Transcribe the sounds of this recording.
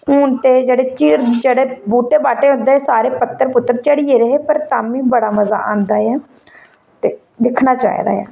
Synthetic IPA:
ɦʊːnt̪eːd͡ʒeːɽeːt͡ʃiːɾd͡ʒeɽeːbuːʈeːbaːʈeːɦʊ̃nd̪eːsaːɾeːpət̪ːəɾpʊt̪ːəɾt͡ʃəɽieːɾəɦeːpəɾt̪aːmĩːbəɽaːməza̰ːʔãːnd̪aːɛː | t̪eː | d̪ɪkʰnaːt͡ʃa̰ːḭd̪a̰ːɛ̰ː

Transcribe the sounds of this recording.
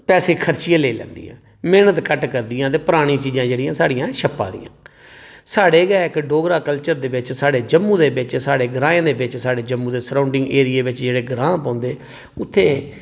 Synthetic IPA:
pɛːseːkʰəɾt͡ʃɪjãːleːlɛ̰̃ːnd̪ḭːã̰ː | meːnət̪kəʈkəɾd̪ɪjãːt̪̬eːpʊɾaːɽ̃ĩːt͡ʃiːd͡ʒãːd͡ʒeːɽijãːsaːɽɪjãːʃəpːa̰ːd̪ḭjã̰ː | saːɽeːɡɛːkɖoːɡɾaːkəlt͡ʃəɾd̪eːʋɪt͡ʃsaːɽeːd͡ʒəmːũːd̪eːbɪt͡ʃsaːɽeːɡɾãːjãːd̪eːʋɪt͡ʃsaːɽeːd͡ʒəmːũːd̪eːsɾãːʊɳɖɪŋɡeːɾijeːʋɪt͡ʃd͡ʒeːɽeːɡɾãːpãːnd̪eː | ʊt̪ʰːeː

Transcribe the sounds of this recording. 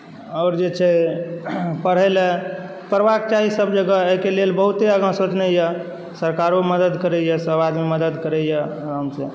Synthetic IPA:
ɔːɾd͡ʒet͡ʃʰɛ | pəɽ̤ɛlɛ | pəɾʋak̚t͡ʃaɦisəbd͡ʒəɡəeɦikelelbəɦut̪eəɡə̃sot̪nəjɛ | səɾkaɾoməd̪əd̪kəɾɛjɛsəbad̪miməd̪əd̪kəɾɛjɛɾamse

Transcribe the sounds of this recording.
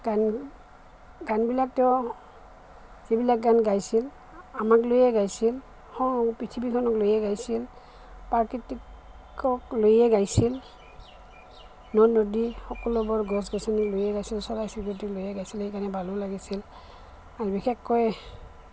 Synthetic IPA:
ɡan | ɡanbilak̚tɛʊ | z̥ibilak̚ɡanɡajsil | amak̬lojɛɡajsil | hɔpɹitʰibikʰɔnɔklojɛɡajsil | paɹkitik | ɔklojɛɡajsil | nɔnodixɔkɔlɔbɔɹɡɔsɡɔsɔniklojɛɡajsilsɔɹajsiktiklojɛɡajsilhejkaɹnɛbʱalɔlaɡisil | aɹbixʰɛkːɔj

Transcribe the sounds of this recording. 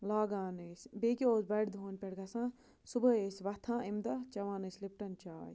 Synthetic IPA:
laːɡãːnesʲbeːkioːzbɐɽd̪ʱoːnʲpʲɛɽɡɐsãː | subɐesʲʋɐt̪ʰãːʔimd̪ɐt͡ʃɐʋãːnɐslip̚ʈɐnt͡ʃaːj

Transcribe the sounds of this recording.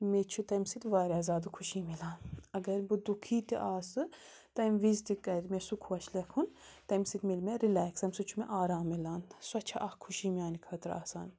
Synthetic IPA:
met͡ʃʰut̪ɛmsit̪ʋaːɾʲɛzaːd̪ɨkʰuʃimilaːnɐɡɐɾbud̪ukʰiːt̪ḭʔaːsɨ | t̪ɛmʋizt̪ikʼɛd̪mɛsukʰuɐʃlɛkʰunt̪ɛmsit̪milmɛɾilɛksɐmsɨt͡ʃʰumɛʔaːɾaːmilanswɐt͡ʃʰaʔahkʰuʃiːmiaːnikʰəːt̪ɾa̰ːsa̰ːn

